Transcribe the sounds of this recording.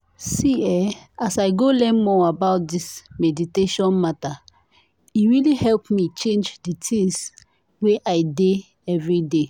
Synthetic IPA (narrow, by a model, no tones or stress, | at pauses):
siɛasaɪɡolɛ̃nmɔabaʊt̚dismɛditeʃɔ̃nmata | iɹilihɛlpmit͡ʃẽnd͡ʒditʰĩŋs | weʔaɪde | ɛvɹide